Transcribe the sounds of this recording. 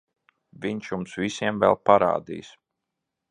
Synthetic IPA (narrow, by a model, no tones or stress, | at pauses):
viɲʃjumsvisiɛmvɛ̰lˠpaɾa̰ːd̪ḭːjs